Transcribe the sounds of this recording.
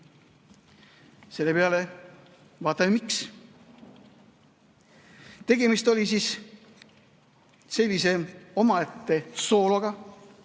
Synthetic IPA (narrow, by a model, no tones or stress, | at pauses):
se̞lːe̞pe̞ɑle̞ | vɑːt̪ːˑɑmiks | t̪e̞ɡe̞mist̪o̞lʲisis | se̞lʲːise̞o̞mɑet̪ːe̞so̞ːloɡ̥ɑ